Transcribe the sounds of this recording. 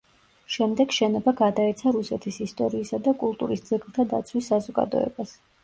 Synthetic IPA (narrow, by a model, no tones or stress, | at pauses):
ʃɛmd̪ɛɡʃɛnɔbaɡad̪aɛt̪sʰaɾusɛt̪ʰisist̪ʼɔɾiːsad̪akʼulˠt̪ʼuɾisd̪z̥ɛɡlˠt̪ʰad̪a̰t̪sʰwisːazɔɡa̰d̪ɔ̰ɛ̰bas